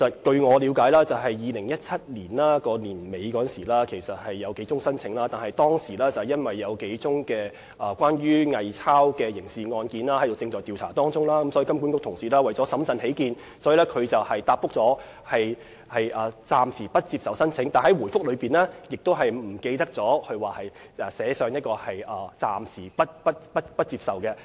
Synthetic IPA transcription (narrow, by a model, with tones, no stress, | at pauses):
sɐ˨t̚kɵ˧ɥŋɔː˨˧li˨˧wkaː˨˥jlaː˥t͡sɐ˨wɦɐ˨jːiː˨˧lɪ˨˩ŋjɐ˥t̚t͡sʰɐ˥t̚liː˨˩nlaː˥kɔː˧liː˨˩nme˨˧jkɔː˨˧˥nsiː˨˩laː˥kʰe˨˩jsɐ˨t̚hɐ˨jːɐ˨˧wke˨˥jt͡sʊ˥ŋsɐ˥nt͡sʰɪ˨˧˥ŋlaː˥t̪aː˨nhɐ˨jt̪ɔː˥ŋsiː˨˩lɛː˥t͡sɐ˨jɐ˥nwɐ˨jːɐ˨˧wke˨˥jt͡sʊ˥ŋkɛː˧ | ʔɐː˨kʷwaː˥nɥyː˥ŋɐ˨jt͡sʰaː˥wkɛː˧jɪ˨˩ŋsiː˨˧ŋɔː˧nkiː˨˧nlaː˥hɐ˥d̪o˨wt͡sɪ˧ŋt͡sɔː˨jt̪i˨wt͡sʰa̰ː˨˩t̪ɔː˥ŋt͡sʊ˥ŋlaː˥kɐ˨˦msɔ˨˥˨kɐ˥mku˨˥kʊ˥k̚t̪ʰʊ˨˩ŋsiː˨˩laː˥wɐ˨jɔː˨˥sɐ˨˥msɐ˨˧nhe˨˥jkiː˨˧n | sɔː˨˥jiː˨˧lɛː˥kʰɵ˨˧t͡sɐ˨whɐ˨jt̪aː˧p̚fʊ˥k̚t͡sɔː˨˥ | hɐ˨j | hɐ˨jʔɐː˨˩t͡saː˨msiː˨˩pɐ˥t̚t͡siː˧psɐ˨wsɐ˥nt͡sʰɪ˨˥ŋt̪aː˨nhɐ˨˦˥jwuː˨˩jfʊ˥k̚lɵ˨˧piː˨nlɛː˥jɪ˨k̚t̪o˥wɦɐ˨˩jm̩˨˩ke˧jt̪ɐ˥k̚t͡sɔː˨˥hɵ˧ɥwaː˨˩hɐ˨j | ʔɛː˨˩sɛː˨˥sœː˨˧ŋjɐ˥t̚kɔː˧hɐ˨jʔɐː˨t͡sa̰ː˨msiː˨˩pɐ˥t̚pɐ˥t̚pɐ˥t̚pɐ˥t̚t͡siː˧p̚sɐ˨wkɛ˧